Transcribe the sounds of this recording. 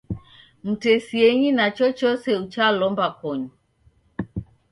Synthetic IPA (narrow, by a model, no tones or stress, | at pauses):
m̩tɛsiɛɲinat͡ʃɔt͡ʃɔsɛut͡ʃalɔmbakɔɲu